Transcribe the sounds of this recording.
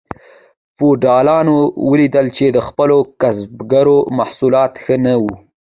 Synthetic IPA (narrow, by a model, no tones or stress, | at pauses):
foɖɑlɑnowəlid̪əlt͡ʃed̪əxpəlokasbɡaɾomahsulɑt̪xənawu